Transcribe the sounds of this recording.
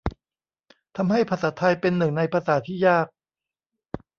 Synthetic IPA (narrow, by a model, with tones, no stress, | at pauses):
t̪ʰa˧mha˥˩jpʰaː˧saː˩˦t̪ʰa˧jpe˧nːɯ˨˩ŋna˧jpʰaː˧saː˩˦t̪ʰiː˥˩jaː˥˩k̚